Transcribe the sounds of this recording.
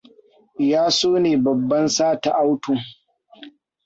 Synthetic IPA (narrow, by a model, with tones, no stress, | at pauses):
jaː˦soː˦neː˨bɐ˨bːɐ˦nsaː˦ta˨ʔa˦wtuː˨